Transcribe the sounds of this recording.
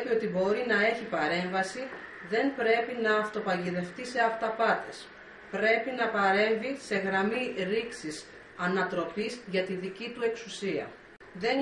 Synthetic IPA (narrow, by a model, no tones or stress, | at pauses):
pio̞t̪ibo̞ɾinɐe̞çipɐɾe̞ɱvɐsiðe̞nbɾe̞pinɐːft̪o̞pɐʝiðe̞ft̪ise̞ɐft̪ɐpɐt̪e̞s | pɾe̞pinɐpɐɾe̞ɱvise̞ɣɾɐmiɾiksis | ɐnɐt̪ɾo̞pizʝɐt̪iðicit̪ue̞ksusiɐ̰ | ðen